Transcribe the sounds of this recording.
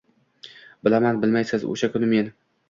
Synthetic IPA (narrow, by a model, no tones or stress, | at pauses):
bɪlamanbɪlmajsɪzo̰ʃakʰʊnɪme̞n